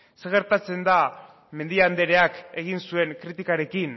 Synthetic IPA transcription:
se̞ɣ̞e̞ɾt̪at͡se̞nd̪a | me̞nd̪iand̪e̞ɾe̞ake̞ɣ̞insue̞ŋkɾit̪ikaɾe̞kin

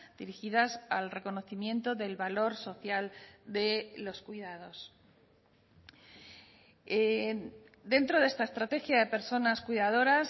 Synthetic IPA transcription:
d̪̥iɾixiðasalre̞ko̞no̞θimjẽ̞nt̪o̞ðe̞lβalo̞ɾso̞θjald̪e̞lo̞skwiðað̞o̞s | e | d̪e̞nt̪ɾo̞ðe̞st̪ae̞st̪ɾat̪e̞xjaðe̞pe̞ɾso̞naskuiðað̞o̞ɾas

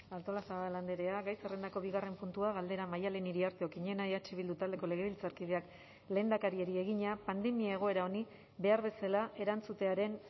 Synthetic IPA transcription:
alt̪o̞lasaβaland̪e̞ɾe̞aɡɣajsere̞nd̪ako̞βiɣare̞mpunt̪uaɣald̪e̞ɾamajale̞niɾiaɾt̪eo̞kiɲe̞naeat͡ʃeβild̪ut̪ald̪e̞ko̞le̞ɣ̞e̞βilt͡saɾkiðeak | le̞ːnakaɾie̞ɾie̞ɣ̞iɲapand̪e̞miae̞ɣ̞o̞e̞ɾao̞ni | be̞aɾβe̞salaʔe̞ɾant͡sut̪e̞aɾe̞n

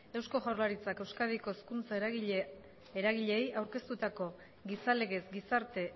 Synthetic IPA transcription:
e̞wsko̞ʝawɾlaɾit͡sake̞wskaðiko̞eskunt͡sae | eɾaɣiʎe̞jawɾke̞st̪ut̪ako̞ | ɣisale̞ɣe̞sɡisaɾt̪e̞

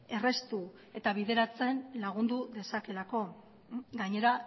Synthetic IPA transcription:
e̞re̞st̪u | e̞t̪aβ̞ið̞e̞ɾat͡se̞nlaɣ̞und̪uðe̞sake̞lako̞ | ɡaɲe̞ɾa

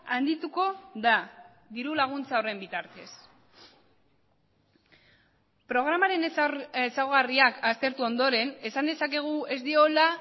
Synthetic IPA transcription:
and̪it̪uko̞ða | ðiɾulaɣ̞unt͡sao̞re̞mbit̪aɾt̪e̞s | pɾo̞ɣ̞ɾamaɾe̞nesawɣ̞ariakast̪e̞ɾt̪uo̞nd̪o̞ɾe̞ne̞sand̪e̞sake̞ɣ̞ue̞zd̪io̞la

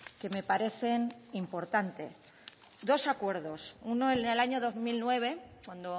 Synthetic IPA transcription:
ke̞me̞paɾe̞θe̞nimpo̞ɾt̪ant̪e̞s | d̪o̞sakwe̞ɾðo̞sunoenelaɲo̞ðo̞zmilnwe̞β̞e̞kwand̪o

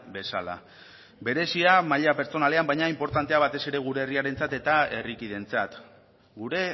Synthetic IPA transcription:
be̞sa̰la̰ | be̞ɾe̞siamaʎape̞ɾt͡so̞nale̞ambajɲaimpo̞ɾt̪ant̪e̞aβ̞at̪e̞se̞ɾe̞ɣ̞uɾe̞ːriaɾe̞nt͡sat̪e̞t̪ae̞rikið̞e̞nt͡sat̪ | ɡuɾe̞

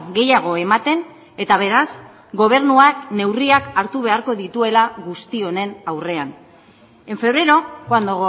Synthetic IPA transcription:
ɡe̞jaɣ̞o̞emat̪e̞n | e̞t̪aβ̞e̞ɾas | ɡo̞β̞e̞ɾnuakne̞wriakaɾt̪uβ̞e̞aɾko̞ðit̪ue̞laɣust̪io̞ne̞nawre̞an | e̞ɱfe̞β̞ɾe̞ɾo̞koand̪oɣo

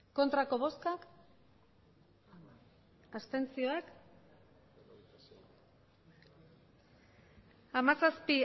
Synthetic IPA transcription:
ko̞nt̪ɾako̞βo̞skak | ast̪e̞nt͡sio̞ak | amasaspi

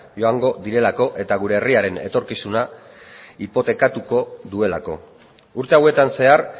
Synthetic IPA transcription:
ʝo̞aŋɡo̞ðiɾe̞lako̞ʔe̞t̪aɣ̞uɾe̞ːriaɾe̞ne̞̰t̪o̞ɾkisuna | ipo̞t̪e̞kat̪uko̞ðue̞la̰ko̞̰ | uɾt̪e̞awe̞t̪anse̞ar

